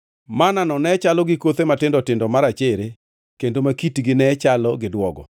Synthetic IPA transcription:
mananɔnɛt͡ʃalɔɡɪkot̪ematɪndɔtɪndɔmaɾat͡ʃɛɾe | kendomakitɡɪnɛt͡ʃalɔɡɪdwɔɡɔ̰

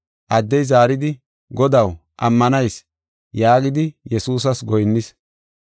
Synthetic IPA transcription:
ʔɐd̪ːɛjzaːɾɪd̪ɪ | ɡɔd̪ɐw | ʔɐmːɐnɐjs | jaːɡɪd̪ɪjɛsuːs̬ɐsɡɔjnːɪs

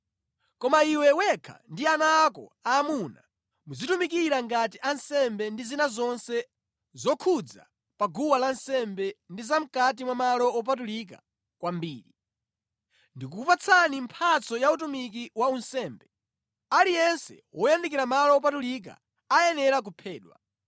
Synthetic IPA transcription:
kɔmaiwɛwɛkʰa̰ndianaːkɔ̰aːmuna̰ | mud͡zitumikiɾaŋɡatiʔansɛmbɛndizinazɔnsɛ | zɔkʰud͡za̰ | paɡuwalansɛmbɛndizam̩kat̬imwamalɔɔp̬at̬ulik̬a | kwambiːɾi | ndikuupat͡sʰanimpʰat͡sɔjautumik̬iwaunsɛːmbɛ | alijɛnsɛ̰wɔjandikiɾamalɔːp̬atulik̬a̰ | ajɛnɛɾak̬upʰɛːɗwa̰

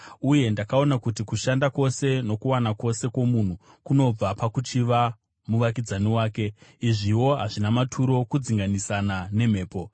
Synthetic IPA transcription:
uje̞ndakao̞nakutikuʃandako̞se̞no̞kuwanakwo̞se̞ko̞mun̤u | kuno̞b͡vapakut͡ʃiʋa | muʋak̬id͡zaniwaːke̞iʐiwo̞ɦaʐinamatʰuɾo̞kud͡ziŋɡanisanane̞m̤e̞ːpo̞

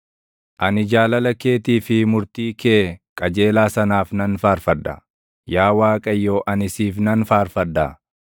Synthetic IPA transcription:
ʔɐnɪd͡ʒaːlɐlɐke̞ːt̪iːfɪmʊɾt̪iːkeːkʼɐd͡ʒe̞ːlaːsɐnaːfnɐnfaːɾfɐd̪ːɐ̰ | jaːwaːkʼɐjːo̞ːʔɐnɪsiːfnɐnfaːɾfɐd̪ːa̰ː

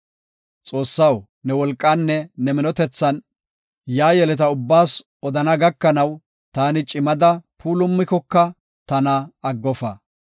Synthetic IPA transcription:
t͡sʼo̞ːsːɐw | nɛwɔlkʼːɐnːɛnɛmɪnɔt̪ɛt͡sːɐn | jaːjɛlɛt̪̬ɐʊbːaːs | ɔd̪ɐnɐɡɐkːɐnɐw | t̪aːnɪt͡ʃʼɪmɐd̪ɐpʰuːlʊmːɪkɔkːɐ | t̪ɐnɐɐɡːɔfɐ̰

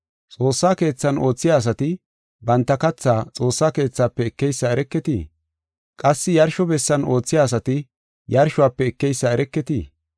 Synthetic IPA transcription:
t͡sʼo̞ːsːaːke̞ːt͡sːɐno̞ːt͡sːɪjaːs̬ɐt̪ɪ | bɐnt̪ːɐkɐt͡sːaːt͡sʼo̞ːsːaːke̞ːt͡sːaːpːɛɛkːɛjsːaɛɾɛkːɛt̪ḭː | kʼɐsːɪjɐɾʃɔbɛsːɐnʔo̞ːt͡sːɪjaːs̬ɐt̪ɪ | jɐɾʃɔwaːpːɛɛkːɛjsːaɛɾɛkːɛt̪iː

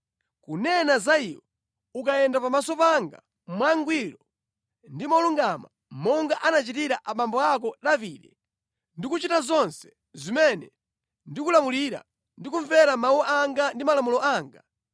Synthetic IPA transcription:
kunɛnazaiwɔ | ukajɛndapamasɔpaŋɡa̰ | mwaŋɡwiɾɔ | ndimauluŋɡama̰ | mɔŋɡaʔanat͡ʃitiɾaʔaɓambɔak̬ɔɗaviɗɛ | ndikut͡ʃitazɔnsɛ̥ | zimɛnɛ | ndikulamuliɾa̰ | ndikuɱvɛɾamawɔʔaŋɡandimalamulɔaːŋɡa

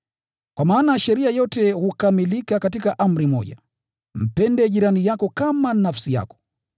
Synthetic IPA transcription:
kwʔamaːnaʃɛɾiajɔtɛhukamilikakatikaʔam̩ɾimɔ̰ʄa̰ | m̩pɛndɛʄiɾanijakɔkamanafsija̰kɔ̥

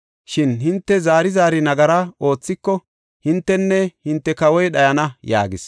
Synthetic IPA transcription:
ʃɪnhɪnt̪ːɛzaːɾɪzaːɾɪnɐɡɐɾaʔo̞ːt͡sːɪkːɔ | hɪnt̪ːɛnːɛhɪnt̪ːɛkɐwɔjɗɐjɐnɐja̰ːɡɪs

